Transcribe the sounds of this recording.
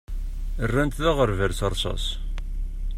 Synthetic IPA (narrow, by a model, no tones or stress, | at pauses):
ərːænt̪ðæʁəɾvəɾθəɾˤsˤɑ̰s